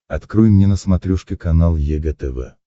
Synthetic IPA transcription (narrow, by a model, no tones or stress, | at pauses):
ɐt̪kɾujmnʲenəsmɐt̪ɾʲuʂkʲɪkɐnalˠjɛɡɛt̪ɛvɛ̰